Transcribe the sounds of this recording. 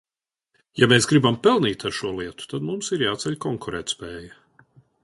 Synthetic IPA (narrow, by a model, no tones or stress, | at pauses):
jameːsɡɾibampɛlˠniːt̪aɾʃuɔlˠiɛt̪u̥t̪ad̪mumsiɾjaːt̪sɛʎʲkɔŋkʰuɾɛ̰ːt̪spɛːjɐ